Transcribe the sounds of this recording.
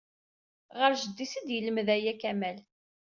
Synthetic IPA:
ʁəɾʒəd̪ːisəd̪jələmðæjækæmæl

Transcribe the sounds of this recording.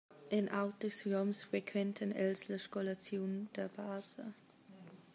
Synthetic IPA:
ʔɪnʔaʊt̚d̥əsʁɔmsfʁɛkʰvɛntʰanʔɛlzləʃkɔlat͡sjoːnd̥eːɐb̥aːzə

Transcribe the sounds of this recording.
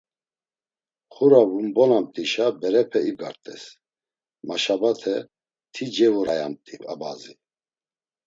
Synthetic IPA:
χuɾavumbɔnamt̪ʼiʃabɛɾɛpʰɛiɡaɾt̪ʼɛ̰s | maʃabat̪ʰɛ | t̪ʰid͡ʒɛvuɾaja̰mt̪ʼipʼa̰bazi

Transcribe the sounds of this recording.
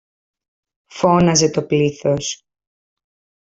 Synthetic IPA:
fo̞nɐze̞t̪o̞pliθos

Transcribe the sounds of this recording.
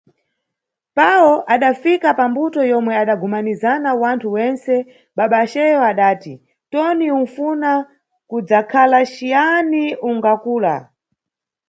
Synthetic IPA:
pawɔʔaɗafikapambutɔjɔmwɛaɗaɡumanizanawantʰuwɛnsɛ | ɓaɓaʃɛjɔaɗaːti | tɔniunfuna | kud͡zakʰalaʃijaniuŋɡakuːla

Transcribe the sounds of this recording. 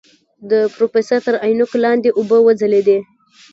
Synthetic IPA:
d̪əpɾofesəɾt̪əɾajnʊklɑnd̪eʔʊbəwəd͡zəled̪e

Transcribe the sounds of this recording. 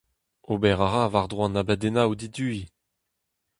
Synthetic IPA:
obɛʁaʁavaʁd̪ʁwãnabɛd̪enawd̪id̪yi

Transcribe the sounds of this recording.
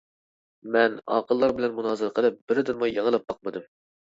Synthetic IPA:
mɛnɑ̰ːqəlˠːɑɾbɪlɛnmunɑːzɨɾqʰəlˠɨp̚b̥ɪɾɪd̪ɪnmujjɑŋəlˠɑp̚b̥ɑq̚mɨd̪ɨm

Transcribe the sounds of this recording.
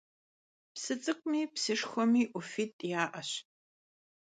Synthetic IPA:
psɨt͡sʼɨkʷʼmiːpsɨʂxʷɔmiːʔʷʊfiːtʼjaːʔɐɕ

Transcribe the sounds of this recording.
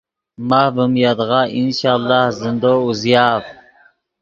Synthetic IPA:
mɑhvumjɑd̪əʁɑʔinʃɑlˠːɑhzɨnd̪ouzijɑv

